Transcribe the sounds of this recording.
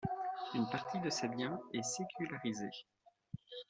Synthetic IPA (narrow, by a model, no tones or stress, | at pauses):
ynpaʁt̪id̪əsebjɛ̃ɛsekʲʰylaʁize